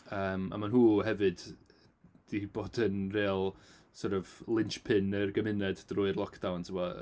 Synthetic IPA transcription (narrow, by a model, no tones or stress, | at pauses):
əːma̰manɦuːɦɛvɨd | d̥iboːdənreːlˠ | sɔɾəvlˠɪnt͡ʃpʰɪnərɡəmɪnɛdd̥rʊːɨrlˠɔkʰd̥awntʰɪmɔ